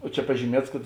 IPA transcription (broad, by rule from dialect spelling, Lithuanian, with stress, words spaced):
oː ˈt͡ʃʲɛ pɐʒʲiːˈmʲiɛts kɐt